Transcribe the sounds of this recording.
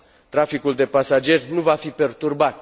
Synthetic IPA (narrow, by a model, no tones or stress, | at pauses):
t̪ɾafikuld̪e̞pasad͡ʒe̞rʲnuvafipe̞rt̪urbat̪̚